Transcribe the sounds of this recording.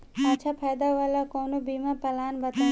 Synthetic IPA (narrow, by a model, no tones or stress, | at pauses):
ɐt͡ʃʰapʰajd̪aʋalakoːnobiːmapɐlaːnbɐt̪a